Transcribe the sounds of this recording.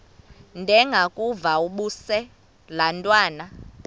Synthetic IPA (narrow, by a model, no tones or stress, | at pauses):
ndʱɛŋɡʱakʼuvauɓusɛ | lantʼwaːna